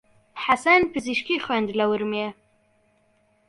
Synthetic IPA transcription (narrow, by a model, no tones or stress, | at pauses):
ħasanpʰɨziʃkixwɛnd̪lɐwɨɾme